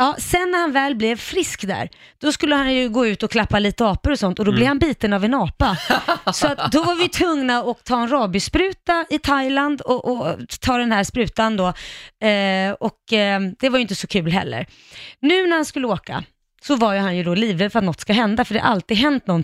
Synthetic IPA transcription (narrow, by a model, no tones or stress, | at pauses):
jɑːsɛnːæɾhanvɛːlblɛvfɾɪskd̪æ̰ɾ | d̪̥ɔskɵlːəhanjɵɡoːʉ̟ːt̪ɔkʰlapːaliːt̪əɑːpəɾɔsɔnt̪ɔd̪ɔblɛvhanbiːt̪ənavɛnɑːpasɔat̪d̪ɔvaɾvɪt̪ʰvɵŋnaɔk̚t̪ʰɑːɛnɾɑːbʏspɾʉ̟ːt̪aɪt̪ʰajland̪ɔʔɔt̪ʰɑːd̪ɛnhæʂpɾʉ̟ːt̪and̪ɔ | ɔkd̪̥ɛvaɾjʏɪnt̪əsɔkʰʉ̟ːlɦɛ̰lːə̰ɾ | nʉ̟ːnæɾhanskɵlːəoːka̰ | sɔvaɾjɵhanjɵd̪ɔliːvəfœɾat̪nɔt̪skaɦɛnd̪afœɖɛha̰ɾʔa̰lt̪ɪːɡɦɛnt̪̚nɔn